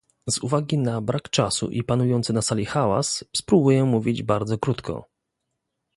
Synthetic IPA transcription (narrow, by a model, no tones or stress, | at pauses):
zuvaɡʲinabɾakt͡ʂasṵʔipanujɔnt̪sɘnasalʲixawa̰sspɾubujɛmuvʲid͡ʑbaɾd̪zɔkɾut̪kʰɔ̰